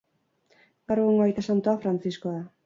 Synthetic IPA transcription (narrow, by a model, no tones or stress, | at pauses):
ɡaɾeɣoŋɡoajt̪asant̪uafɾant͡siskoa